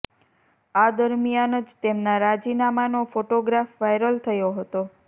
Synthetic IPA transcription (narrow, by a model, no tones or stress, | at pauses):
ad̪əɾmijanəd͡ʒt̪emnaɾad͡ʒinamanofoʈoɡɾafʋajɾəlt̪ʰəjoɦət̪o